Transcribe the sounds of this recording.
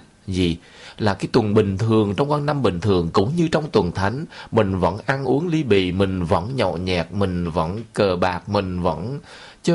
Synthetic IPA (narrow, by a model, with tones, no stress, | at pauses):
zi˨˩ | laː˨˩kaː˨˦jt̪wə˨˩nɓï˨˩ŋ̟t̪ʰɨ˨˩əŋt͡ɕɔ˧wŋ͡mkwaː˧nːa˧mɓï˨˩ŋ̟t̪ʰɨ˨˩əŋkʊ̰˧˥ŋ͡mɲɨ˧t͡ɕɔ˧wŋ͡mt̪wə˨˩nt̪ʰa˨˦jŋ̟mï˨˩ŋ̟və̰˧˥nʔa˧nʔu˨˦əŋli˧ɓḭ˧˨mï˨˩ŋ̟və̰˧˥nɲɔ̰˧˨ɲɛ˨˩k̚mï˨˩ŋ̟və̰˧˥nkəː˨˩ɓaː˨˩k̚mï˨˩ŋ̟və̰˧˥n | t͡ɕə˧